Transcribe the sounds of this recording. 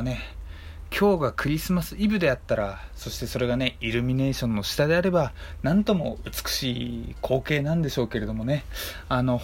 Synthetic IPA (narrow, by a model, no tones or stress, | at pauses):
ne̞ | kʲʰo̞ːɡakʰɯ̟ɾʲisɨmasɨibɯ̟d̪e̞at̪ːaɾaso̞ɕi̥t̪e̞so̞ɾe̞ɡane̞iɾɯ̟mʲine̞ːɕõ̞nːo̞ɕi̥t̪ad̪e̞aɾe̞banãnt̪o̞mo̞̰ɯ̟t͡sɨ̥kɯ̟̥ɕiːkʰo̞ːke̞ːnãnd̪e̞ɕo̞ːke̞ɾe̞d̪o̞mo̞ne̞ | ano̞